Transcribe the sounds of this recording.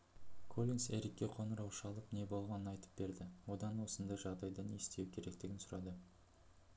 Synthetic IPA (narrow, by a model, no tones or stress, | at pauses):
kʰo̞lʲinse̞ɾikʲːe̞qʰo̞nəɾɑwʃɑlˠəpne̞bo̞lˠʁɑnənɑjt̪ə̥p̚be̞ɾd̪ɪwo̞d̪ɑnwo̞sənd̪ɑjʒɑʁd̪ɑjd̪ɑne̞st̪e̞wkʲʰe̞ɾe̞k̚t̪ɪɡʲɪnsʊɾɑ̰d̪ə